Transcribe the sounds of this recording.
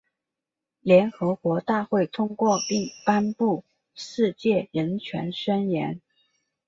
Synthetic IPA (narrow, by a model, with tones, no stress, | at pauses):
ljɛ˧˥nxɤ˧˥kwɔ˧˥t̪a˥˧xwe˥˩ɪt̪ʰʊ˥ŋkwɔ˥˧pi˥˩ŋpa˥npu˥˩ | ʂɻ̩˥˧t͡ɕjɛ˥˩ɻə˧˥nt͡ɕʰɥɛ̰˧˥nʂə˥njɛ̰˧˥n